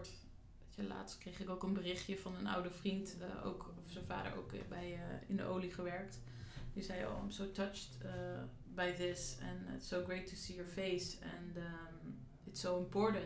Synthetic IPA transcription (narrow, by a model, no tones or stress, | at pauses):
t | etəla̰ːtstkrejχɪkowkənbərɪχjəvɑnəna̰wdəvrintʔo̰wkɔfsənva̰ːdə̰ɹʔo̰wkbɛjɪ̰ndə̰ʔowliχəʋɛɹkt | disɛjɔ̰msoʊtʌt͡ʃtə | bajðɪsɛ̰̃nɪ̰tsoʊɡɹejtʰːusiːjəɹfejsɛ̰̃n | ɪtsowə̃mpɔɹdə